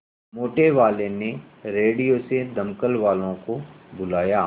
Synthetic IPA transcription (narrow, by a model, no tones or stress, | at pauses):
moːʈeʋaːlene | ɾeːɽijosed̪ɐmkəlʋaːlõko | bʊlaːjaː